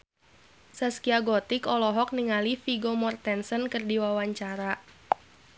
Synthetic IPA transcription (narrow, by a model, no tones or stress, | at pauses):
saskiaɡɔt̪ikɔlɔɦɔk̚niŋalifiɡomɔrt̪ɛnsənkərdiwawaɲt͡ʃaɾa